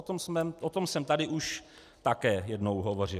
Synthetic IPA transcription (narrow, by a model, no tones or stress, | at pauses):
ot̪omsmɛʔot̪o̞msɛmt̪adɪʔuʃ | t̪akɛːjɛdnowɦovo̞rɪ